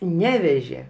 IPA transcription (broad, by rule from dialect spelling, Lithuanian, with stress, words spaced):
ˈnʲæːʋʲɛʒʲeː